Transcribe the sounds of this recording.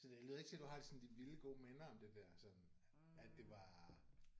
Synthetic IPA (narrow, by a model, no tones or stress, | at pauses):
sɒd̥eløːðˠeɡ̥t͡sʰe̝æd̥uhɑ̈d̥e̝sɒ̽n̩d̥iʋiləɡ̥o̝̰ːmenɐɒ̽md̥e̝d̥æɐ̰sɒ̽n | æd̥e̝ʋɑ̈